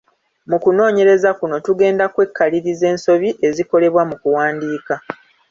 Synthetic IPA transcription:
mukuno̞ːɲe̞ɾe̞zakuno̞tuɡe̞ːndakwe̞kːaliɾize̞ːnso̞βiʔe̞ziko̞le̞βwamukuwaːndiːka

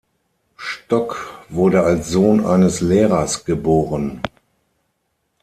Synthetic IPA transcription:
ʃtɔkv̥ʊɐdəalsz̥oːnʔa̰ɪnəslɛːʁɐsɡ̥əboːʁən

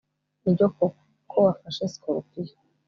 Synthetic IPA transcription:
iɾɟoko | kʰowafaʃesi̥koɾupija

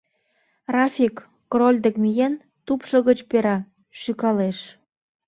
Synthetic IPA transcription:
rɑfʲikː | rolʲd̪ekmijen | t̪upʃə̆ɣət͡ɕpeɾɑ | ʃykɑleʃ

